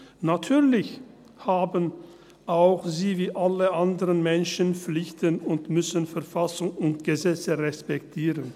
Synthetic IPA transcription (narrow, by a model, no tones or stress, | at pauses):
natʰyːɐlɪç | haːbən | ʔaʊxziːviːʔaləʔandəʁənmɛnʃənp͡flɪçtənʊntmʏsənfɛɐfasʊŋʊntɡ̥əzɛt͡səʁɛspɛktʰiːʁən